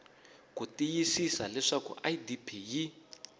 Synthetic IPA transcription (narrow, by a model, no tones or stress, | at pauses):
kutijisisa̰lɛʂakṵʔajidipʰiji